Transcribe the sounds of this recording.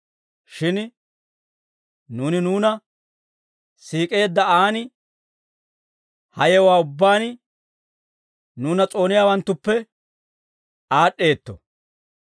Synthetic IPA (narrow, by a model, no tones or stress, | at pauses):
ʃɪn | nuːnɪnuːnɐ | siːkʼe̞ːd̪ːɐaːnɪ | hɐjɛwaːʊbːaːn | nuːnɐt͡sʼo̞ːnɪjaːwɐnt̪ːʊpːɛ | aːɗːe̞ːt̪ːɔ̰